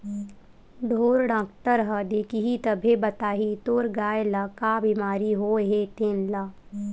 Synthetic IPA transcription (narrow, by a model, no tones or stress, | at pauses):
ɖ̪ʱoːɾɽãːk̚t̪əɾɦəd̪eːkiɦit̪əbʱebɐt̪aːɦit̪oːɾɡaːelakaːbiːmaːɾiɦoːɦet̪enlaː